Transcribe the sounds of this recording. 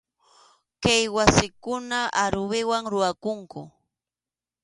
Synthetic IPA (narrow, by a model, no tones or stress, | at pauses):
kajwasɪkʊnaaɾʊwɪwaŋɾʊakʊŋkʊ